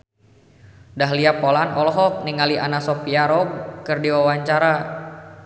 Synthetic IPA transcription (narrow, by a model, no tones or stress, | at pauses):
daɦliapɔlanɔlɔɦɔk̚niŋaliʔanasɔpiaɾɔɡ̚kɨrdiwawaɲt͡ʃaɾa